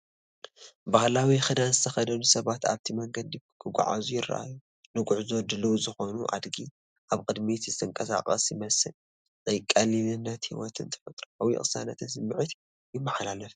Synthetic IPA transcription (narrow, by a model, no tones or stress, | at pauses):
bahlawixɨd̪anzɨt̪ʰɐxɐd̪ɐlusɐβat̪a̰βt̪ʰimɐŋɡɐd̪ikʰɨɡʷʊ̰ʕa̰zujɪrːa̰ʔa̰ju | nɨɡʊʕzo̞d̪ɨlɐwzɨxo̞nuʔa̰d̪ɡi | ʔaβkʼɨd̪mit̪ɨzɨt̪ʰɨŋkʼɐsa̰qʼɐ̰sjɪmɐsɨl | zʼɐjkʼːalinɨnːɐt̪hiwɔt̪ʰɨ̰nt̪ʰɨ̥fɐt̪ʼɾoawḭxʼɨsanɐt̪ʰɨnsɨmːɨʕɨt̪ | jɪmːɐħalalɐf